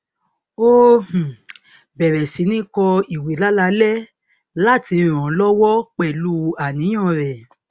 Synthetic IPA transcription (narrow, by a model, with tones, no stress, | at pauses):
o˦h̩˨ | bɛ˨ɾɛ˨si˨˦nĩ˦kɔ˧i˨we˨˦la˦la˧˦lɛ˦ | la˦˨ti˧ɾ̃ã˨˦lɔ˦wɔ˦k͡pɛ˦˨lu˦a˨nĩ˨˦j̃ɔ̃˦˨ɾɛ˨